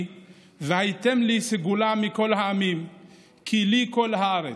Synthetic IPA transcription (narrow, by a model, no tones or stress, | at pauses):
vehajt̪emliseɡulamiko̞lɦaːmim | kʰilikolhaaɾe